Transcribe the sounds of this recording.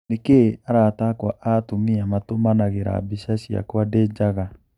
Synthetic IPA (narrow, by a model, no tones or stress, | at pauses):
nekeaɾatakwaʔatomiamatomanaɣeɾa̰biʃasia̰kwaded͡ʒaɣa